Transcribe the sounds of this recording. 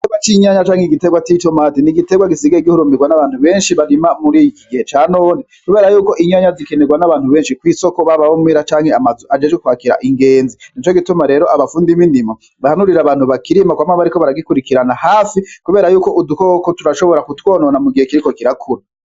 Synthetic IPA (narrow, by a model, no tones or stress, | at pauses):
iteɡwat͡ʃiɲaɲat͡ʃaːŋhiɡite̞ɡwat͡ʃitomatiniɡiteɡwaɡisiɡaiɡihuɾumiɡwanaβaːn̥huβe̞ːnʃiβaɾimamuɾiiɡihe̞t͡ʃaːno̞ːnekuβeːɾajuːko̞ʔiɲaɲazike̞neɡwanaβaːn̥huβe̞ːnʃikwiːso̞ko̞βaβawomwiɾat͡ʃaːŋheamazuad͡ʒed͡ʒekuhaːkiɾa̰ʔiŋɡe̞ːnzinit͡ʃoɡitumaɾe̞ːɾoʔaβafuːndimindima | βahanuɾiɾaβaːn̥huβakiɾimakwaːmaβaɾikoβaɾaɡikuɾikiɾanahaːfikuβe̞ːɾajuːko̞ʔudukokotuɾaʃo̞βo̞ɾakutwoːnonamuɡihekiɾiko̞kiɾakʰuɾi